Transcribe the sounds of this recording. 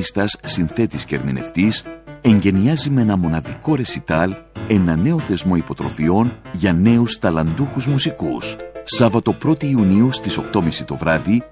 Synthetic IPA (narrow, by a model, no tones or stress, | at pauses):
st̪ɐsːinθe̞t̪isceɾmine̞̰ft̪ise̞ɲɟe̞niɐzime̞nɐmo̞nɐðiko̞ɾe̞sit̪ɐle̞nɐne̞o̞θe̞zmo̞ipo̞t̪ɾo̞̰fio̞nʝɐne̞ust̪ɐlɐnd̪uxuzmusikṵsːɐvɐt̪o̞pɾo̞t̪iːuniust̪iso̞kt̪o̞misit̪o̞vɾɐði